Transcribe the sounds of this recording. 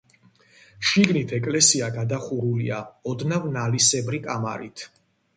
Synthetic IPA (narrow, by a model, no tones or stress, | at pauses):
ʃiɡnit̪ʰɛkʼlɛsiaɡad̪aχuɾulḭaɔd̪navnalisɛbɾikʼama̰ɾit̪ʰ